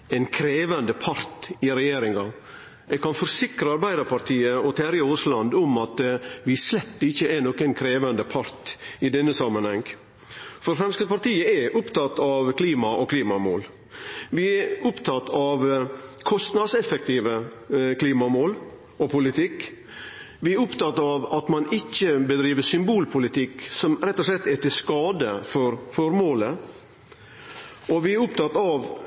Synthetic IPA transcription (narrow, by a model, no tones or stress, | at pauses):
ɛnkʰɾeːʋənd̪əpʰɑɾt̪ɪɾɛjeːɾɪŋɑ | ɛɡkɑnfɔɾsɪkɾəɑɾbæɪd̪əɾpʰɑɾt̪ʰiːəɔt̪ʰæːɾɪʊːslɑnd̪ʊmɑt̪ʋɪslɛt̪ːɪçːəʔɛnɔkənkʰɾeːʋənd̪əpʰɑɾt̪ɪd̪ɛnːəsɑmːənhɛŋ | fɔɾfɾɛmskəpɑɾt̪iːəɛʔʊpt̪ɑt̪ːɑʋkʰliːmɑʔɔkliːmɑmo̰ːl | ʋɪɛɾʊpt̪ʰɑt̪ːɑʋkʰɔst̪nɑd̪sɛfək̚t̪ʰiːʋə | kʰliːmɑmoːl | ɔpʰʊlɪt̪ʰɪkː | ʋɪɛɾʊpt̪ɑt̪ːɑʋɑt̪mɑnɪçːəbəd̪ɾiːʋəsʏmbuːlpʰʊlɪt̪ʰɪkːsɔmɾɛt̪ːɔʂlɛt̪ːɛt̪ɪskɑːd̪əfɔɾfɔɾmoːlə | ɔʋɪɛɾʊp̚t̪ɑt̪ːɑʋ